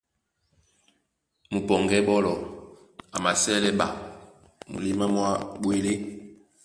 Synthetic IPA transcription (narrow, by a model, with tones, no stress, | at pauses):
mu˨pɔ˨ŋɡɛ˦bɔ˦lɔ˨ | a˨ma˨sɛ˦lɛ˦ɓa̰˨ | mṵ˨li˦ma˦mwa˦ɓwe˦le˦